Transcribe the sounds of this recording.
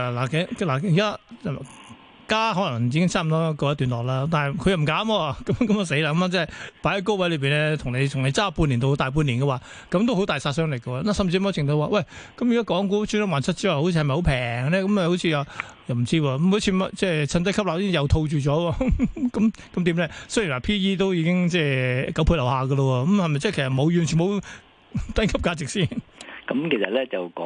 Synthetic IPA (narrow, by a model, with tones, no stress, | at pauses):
la˨˩kɛ˨˥laː˨˩jiː˨kaː˥˨˩ | kaː˥ɦɔː˨˥lɐ˨˩ŋjiː˨˧kɪ˥ŋt͡sʰaː˥˩m˨t̪ɔː˥kɔː˧jɐ˥t̪y˨nlɔː˨k̚laː˥mt̪aː˨˩n˨jkʰɵ˨˧jɐ˨˩m̩˨˩kaː˨˥mɔː˧kɐ˨˦mkɐ˨˥mɐ˨˧se˨˥jlaː˧kːɐ˧ma˧t͡sɛː˥˨˩paː˨˥jhɐ˧˥ko˥wɐ˨˥jlɵ˧ɥp̬iː˨nɛ˧t̪ʰʊ˨˩ŋne˨˧jt̪ʰʊ˨˩ŋne˨˧jt͡saː˥pu˧nli˨˩nt̪o˧˥t̪aː˨jp̬u˧nliː˨˩nkɐ˧waː˨˧ | kɐ˨˥mt̪o˥wɦo˨˥wt̪aː˨jsaː˧tsœː˥ŋlkːə˧wɔː˧˥na˨sɐ˨mt͡sʰi˧˥˦mɛ˧˥t͡sʰɪ˨˩ŋt̪o˧waː˨˧wɐ˥˩jkɐ˨˥mjiː˨kaː˥kɔː˨˥ŋkuː˧˥t͡ʃʰyː˥nɐ˥˩waː˨˩nsɐ˥t͡siː˥wa˨ho˨˥t͡ɕʰi˧hɐ˨˩m˨ho˨˥wpʰɛː˨˩ŋlɛː˥kɐ˨˦mɛ˧ho˨˥wt͡sʰiː˧waː˨˩ | jɐ˨wm̩˨˩t͡siː˥wɔː˧kmu˨˥t͡sʰi˧mɐ˥t͡sɛː˥sʰɐ˧nt̪ɐ˥jkʰp̚a˨˩si˥jɐ˨wt̪ʰo˧wt͡ʃyː˨t͡ʃɔː˨˥wɔː˧kɐ˨˦mkɐ˨˦mt̪iː˨˥mlɛː˧˥sɵ˥ji˨˩nwa˨˩pʰiː˥jiː˥t̪̬o˥wjiː˨˧˥kɪ˥ŋt͡sɛː˥˩kɐ˨˥pʰu˧lɐ˨˩whaː˨˧ɡə˧lɔ˧wɔː˧kɐ˨˦mhɐ˨jmɐ˨jt͡sɛː˥˩kʰe˨˩sɐ˨tmo˨˧wjyː˨nt͡ʃʰy˨˩nho˨˧˥ | t̪ɐ˥kʰɐ˥p̚kaː˨˧t͡sɪ˨k̚siː˥˩nkɐ˨˦mkʰe˨˩sɐ̰˨t̚lɛː˦˥t͡sɐ˨wkɔː˨˦